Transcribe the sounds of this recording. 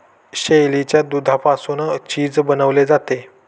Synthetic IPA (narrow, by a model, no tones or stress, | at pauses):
ɕejlit͡ɕjad̪ud̪ʱapasunt͡ɕiːd͡zbənəʋled͡zat̪e